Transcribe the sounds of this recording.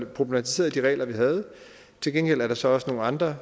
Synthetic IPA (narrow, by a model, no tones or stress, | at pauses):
pʰʁo̝b̥lemæt͡sʰi̥se̝̰ːɐð̞ˠd̥iʁɛ̰ːlɐʋiɦæð̞ˠ | t͡sʰe̝lɡ̥enɡ̥el̰æɐɾ̥ɑ̈sɒ̽ɒ̽səno̝ːn̩ɑ̈nd̥ʁɐ